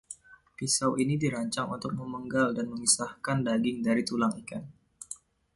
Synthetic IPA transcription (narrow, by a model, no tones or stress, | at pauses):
fisawʔinidiɾaɲt͡ʃaŋṵnt̪ʊk̚məməŋɡaldanməmisahkandaɡɪŋdaɾit̪ulaŋikan